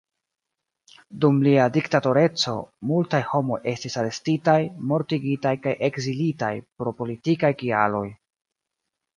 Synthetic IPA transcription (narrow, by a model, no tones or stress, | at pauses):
dumliadiktato̞ɾe̞t͡so̞multajho̞mo̞je̞stisaɾe̞stitajmo̞ɾtiɡitajkajʔe̞ɡzilita̰jpɾo̞po̞litikajkia̰lo̞j